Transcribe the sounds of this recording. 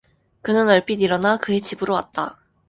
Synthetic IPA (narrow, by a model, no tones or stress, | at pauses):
kɯnɯnʌɭpʰidiɾʌnakɯe̞t͡ɕibɯɾowa̰t̚t͈a̰